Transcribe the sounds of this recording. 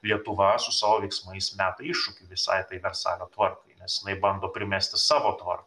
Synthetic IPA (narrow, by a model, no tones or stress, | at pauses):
lʲiɛt̪ʊʋɐsʊsɑːʋoːʋʲɛɪksmɐɪsmʲæːt̪ɐɪʃʊkʲɪʋʲɪsɐ̰ɪt̪ɐɪʋʲɛrsɑ̰ːlʲoːt̪ʋɐrkɐɪnʲɛsjɪnɐɪbɐnd̪oːpʲɾʲɪmʲæsʲt̪ʲɪsɑːʋoːt̪ʋɐ̰rkɐ